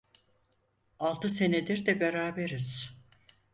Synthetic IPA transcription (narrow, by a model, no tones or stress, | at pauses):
alˠt̪ʰɯse̞ned̪iɾd̪ɛbeɾaːbeɾiz̥